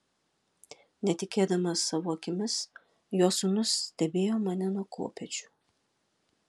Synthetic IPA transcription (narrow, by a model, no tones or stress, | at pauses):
nʲɛt̪ʲɪkʲeːd̪ɐmɐsːɐʋoːkʲɪmʲɪs | joːsʊnʊsʲt̪ʲɛbʲeːjoːmɐnʲɛnuɔko̰ːpʲɛt͡ʃʲu̥